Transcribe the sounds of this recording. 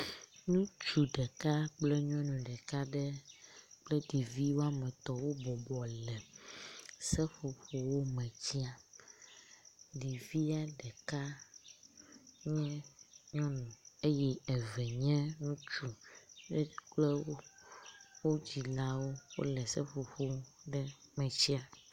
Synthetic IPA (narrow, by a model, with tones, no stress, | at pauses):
nũ˦t͡ʃu˨ɖɛ˨ka˦k͡plɛ˦ɲɔ̃˦nũ˨ɖɛ˨ka˦ɖɛ˦k͡plɛ˦ɖi˨vi˦wo˦a˦mɛ̃˨t̪ɔ˨wo˦bɔ˨bɔ˨lɛ˨ | sɛ˦ɸo˨ɸo˨wo˦mɛ̃˨d͡ʑi˦a˨ | ɖi˨vi˦a˦ɖɛ˨ka˦ | ɲɛ̃˦ɲɔ̃˦nũ˨e˦jɛ˦ɛ˨vɛ˨ɲɛ̃˦ŋũ˦t͡ʃu˨ɖɛ˦k͡plɛ˦wo˦ | wo˦d͡ʑi˨la˦wo˦wo̰˦lɛ˨sɛ˦ɸo˨ɸo˦ɖɛ˦mɛ̃˨t͡ɕi˦a˨